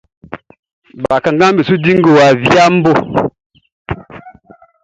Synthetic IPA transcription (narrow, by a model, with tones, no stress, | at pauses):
ba˨ka˨ŋ˦ɡa˦m˦bi˨su˦di˦ŋ˦ɡo˨wa˨vja˦m̩˦bo˦